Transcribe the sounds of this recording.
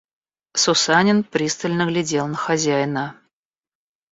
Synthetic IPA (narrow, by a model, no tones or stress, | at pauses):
sʊsanʲɪnpɾʲist̪əlʲnəɡlʲɪdʲelˠnəxɐzʲæjnə